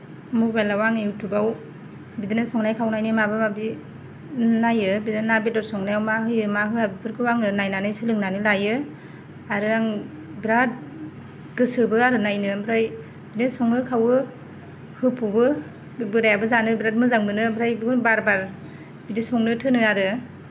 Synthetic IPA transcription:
mukbalawaŋewtʰubaw | bidinɯsɔŋnajkʰawnajnɯmabɯmabi | najɯbidinabet̚ɔɾsɔŋnajawmaɦɯjɯmaɦɯhabipʰɯɾkʰɯwaŋnɯnajnanɯjsɯlɯŋnanɯlajɯ | aɾɯaŋ | bɾat̚ | ɡɯsɯbɯaɾɯnajnɯbɾaj | bidnasɔŋnɯkʰawɯ | hɯpʰubɯ | bɯɾajabɯzanɯbɾat̚mɯzaŋbɯnɯbɾajbɯɡunbaɾbaɾ | bidisɔŋnɯtʰɯnɯaɾɯ

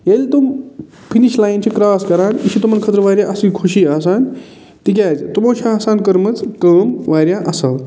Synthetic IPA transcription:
jelt̪um | pʰiniʃlaːjnt͡ʃʰikɾaːskɐɾaːnisʰit̪umɐnkʰɐt̪ɾʋaːɾʲjaʔɐsikʰuʃiaːs̬aːn | t̪ik̬ʲaːd͡ʒt̪umõːt͡ʃʰiaːsaːnkɐɾmɐt͡skəːmʋaːɾjaʔɐsɐl

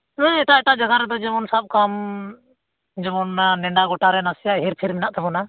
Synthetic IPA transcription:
nãɛʈaɛʈad͡ʒaɡaɾɛd̪ɔd͡ʒɛmɔnsab̚kam | d͡ʒɛmɔnanɛɳɖaɡɔʈaɾɛnasijaɦiɾpʰiɾmɛnaʔt̪ɛbɔna

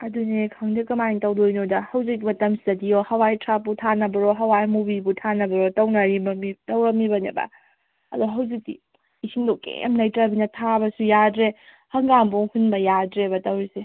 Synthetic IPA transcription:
ɐdunekʰɐŋdikɐmajŋtɐwdojnodɐhɐwzik̚timɐtɐmsi̥zɐdiohɐwajtʰɾapːutʰanɐbɐɾɔɦɐwajmubibutʰanɐbɐɾɔtɐwnaɾibɐmitɐwɾɐmibɐnebɐ̰ | ɐ̰duɦɐwzik̚dḭ | isʰiŋdokḛmnɐjtɾabinɐtʰabɐsujadɾe | hɐŋɡamboŋhunbɐjadɾebɐtɐwɾise

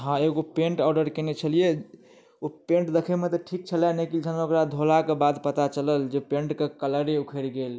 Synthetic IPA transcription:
ɦãeɡopẽɳʈɔɖəɾkenet͡ʃʰəlije | opẽɳʈd̪ekʰemet̪ɔʈʰik̚t͡ʃʰəlanekild͡ʒʰənokɾad̪ʱolakebad̪pət̪at͡ʃələld͡ʒepeɳʈkekələɾeukʰeɾɡel

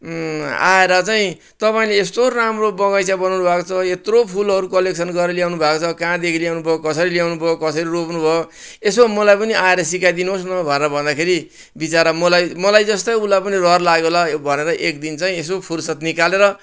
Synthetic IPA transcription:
a̰eɾʌt͡saĩ | t̪ʌpaĩleːst̪oramrobʌɡʌjsjabʌnawnubʱakot͡sʰʌet̪ropʰulʌɾukʌleksʰʌnɡʌɾʌljawnubʱakot͡sʰʌkãd̪ekʰilijawnubʱʌokʌsʌɾiljawnubʱʌokʌsʌɾiropnubʱʌo | esomʌlajpʌniaeɾʌs̬ikajd̪inuɦosnʌbʱʌneɾʌbʱʌnd̪akʰeɾi | bit͡saɾʌmʌlajmʌlajd͡zʌst̪ʌjulajpʌnirʌrlaɡolabʱʌneɾʌʔek̚d̪int͡saĩesopʰursʌt̪nikaleɾʌ

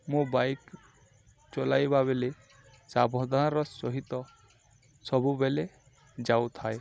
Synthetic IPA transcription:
mũbajk | t͡ʃɔlajbabele | sabʱɔd̪ʱaɾɔsɔɦit̪ɔ | sɔbubele | d͡ʒawt̪ʰaj

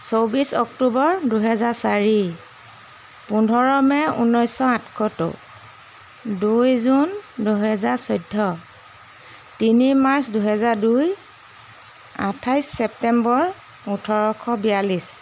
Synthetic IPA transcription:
sowbisɔktubɔɹduɦɛzaɹsaɹi | pundʱɔɹɔmɛṵnɔjsɔatʰkʰɔto̰ | dujzunduɦɛzaɹsɔjdʱːɔ | tinimaɹsduɦɛzaɹduj | a̰tʰajsːɛp̚tɛmbɔɹ | utʰɔɹɔkʰɔbialis

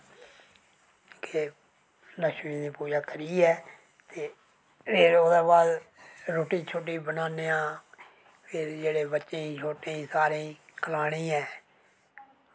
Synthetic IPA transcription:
ke | ləʃmĩːneːpuːd͡ʒaːkəɾiːɛː | t̪eː | pʰɪɾoːd̪aːbaːd̪ | ɾoːʈiːt͡ʃʰoːʈ̬ːiːbənaːneːãː | pʰɪɾd͡ʒeːɽeːbətːʃẽːiːt͡ʃʰoːʈẽːiːsaːɾẽːkəlaːɽ̃ĩːɛː

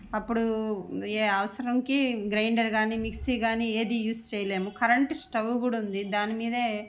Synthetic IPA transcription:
ɐpːuɽueːɐʋɐsɐɾɐŋkiɡɾɐjɳɖɐɾɡaːniːmiksiːɡaːniːeːd̪ijuːst͡ʃɛːjɐleːmukɐɾɐɳʈsʈɐʋuɡuːɽɐund̪id̪aːnimiːd̪ɐeː

